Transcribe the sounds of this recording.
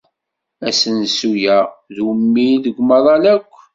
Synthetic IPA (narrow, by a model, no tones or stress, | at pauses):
æsənsujæðwəmːiləɡʷməðˤɑlækʷː